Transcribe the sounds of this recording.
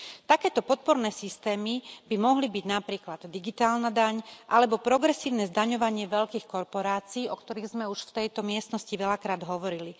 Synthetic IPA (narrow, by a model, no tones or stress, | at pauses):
t̪akɛːt̪ɔpɔt̪̚pɔɾnɛːsist̪ɛːmibimɔɦlibiɟnapɾiːklad̪d̪iɡit̪aːlnad̪aɲʔalɛbɔpɾɔɡɾɛsiːʊnɛːzd̪aɲɔʋaɲɪɛʋɛʎkiːxkɔɾpɔɾaːt͡siːʔɔkt̪ɔɾiːɣzmɛuʃft̪ɛjt̪ɔmɪɛst̪nɔsciʋɛlakɾaːd̪ɦɔʋɔɾili